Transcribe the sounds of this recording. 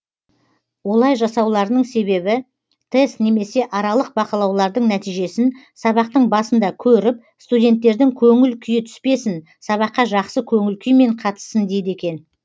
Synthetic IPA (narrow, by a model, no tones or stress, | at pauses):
wo̞lˠɑjʒɑsɑwlˠɑɾənəɴse̞βe̞βɪ | t̪ʰe̞st̪ne̞me̞se̞ʔɑɾɑlˠəq̚bɑqɑlˠɑwlˠɑɾd̪əɴnæt̪ijʒe̞sɪn | sɑβɑqt̪əɴbɑsənd̪ɑkʲʰɵɾɪp̚ | st̪udʲe̞nt̪ːe̞ɾd̪ɪŋkʲʰɵŋɪlkʲʰʏjɪt̪ʰʏ̥spe̞sɪn | sɑβɑqːɑʒɑqsəkʲʰɵŋɪlkʲʰʏjme̞ɴqʰɑt̪ə̥sːənd̪e̞jd̪e̞kʲe̞n